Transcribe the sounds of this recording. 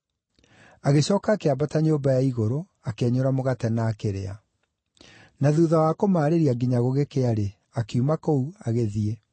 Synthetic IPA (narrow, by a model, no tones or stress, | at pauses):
aɣeɕɔːkaːkeabataɲoːmbajaiɣoɾo | akeɛɲoɾamoɣatɛnaːkeɾea̰ | naðuːðawakomaːɾeɾiaɡiɲaɣoɣekeaɾe | akeumakouaɣeðie